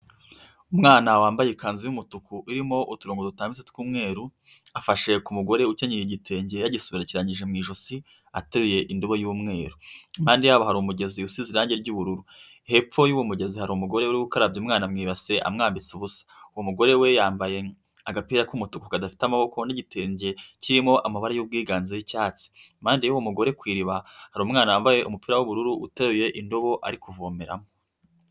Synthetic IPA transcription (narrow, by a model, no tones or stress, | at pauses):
umŋaːnawaːmbajekaːnzijumutukʰuʔiɾimo̞ʔutuɾuːŋɡodutaːmbizetkuːmŋe̞ːɾu | afaʃe̞kumuɡo̞ɾe̞ucaɲiiɟitʰe̞ːɲɟejaɟisuβiɾaciɾaɲiʒe̞mŋiːʒosi | atuɾije̞ʔinduβojuːmŋe̞ːɾumaːndijaβahaɾumuɟe̞ziusiziɾaːɲɟeɾɟuβuɾuɾu | he̞p͡fo̞juwumuɟe̞zihaɾumuɡo̞ɾeuɾiwukaɾabɟimŋaːnamŋiːβase̞ʔa̰mŋaːmbit͡siβusḁuwomuɡo̞ɾewe̞jaːmbaje̞ | aɡapiːɾakumutukukadafi̥tamaβo̞ko̞niɟitʰeːɲɟe̞ciɾimo̞ʔamaβaɾajub̚ɡiːɡaːnzejicaːt͡si̥maːndijuwomuɡo̞ɾe̞kwiːɾiβahaɾumŋaːnajaːmbaje̞ʔumupiɾawuβuɾuɾuʔːteɾuje̞ʔindoβo̞ʔa̰ɾikuvoːmeɾa̰mo